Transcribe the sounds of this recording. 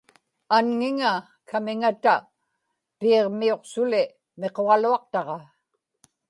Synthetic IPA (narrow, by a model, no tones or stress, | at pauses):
anŋɪŋa | kʰamɪŋat̪a | piːʁmio̞qsʊlɪ | me̞qo̞ʁɑluɑq̚t̪ɑʁɑ